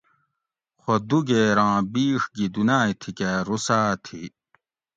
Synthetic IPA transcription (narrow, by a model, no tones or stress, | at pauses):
xod̪uɡeːɾãːbiːʂɡid̪unaːit̪ʰikeɾusaːt̪ʰḭ